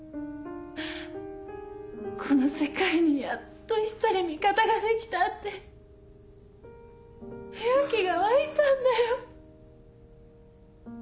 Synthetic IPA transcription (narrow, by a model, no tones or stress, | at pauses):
kʰo̞no̞se̞kaiɲ̟ijat̪ːoit͡sːaɾʲimʲikat̪aɡad̪e̞kʲi̥t̪at̪ːe̞ | hajakʲiɡaβait̪ãnd̪ajo